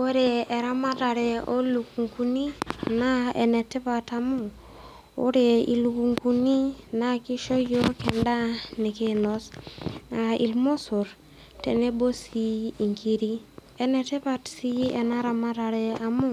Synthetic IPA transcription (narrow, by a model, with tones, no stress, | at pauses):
o˦ɾe˨e˨ɾa˦ma˦ta˨ɾɛ˨o˦lu˨ku˨ŋku˦ni˦na˦ḛ˨nɛ˨te˦pa˨ta˨mu˦ | o̰˦ɾe˨ḭ˨lu˨ku˨ŋku˦ni˦na˦ki˦ʃo˦jo˦kɛ˨nda˦ne˨ke˦nɔ˦sa˨ḭ˨lmo˦so˨ɾ | te˨ne˦bo˦siː˦˨ŋkʰi˦ɾi˦ | ɛ˦nɛ˨te˦pa˦tsi˦e˨na˦ɾa˦ma˦ɾa˨ɾɛ˨a˨mu˦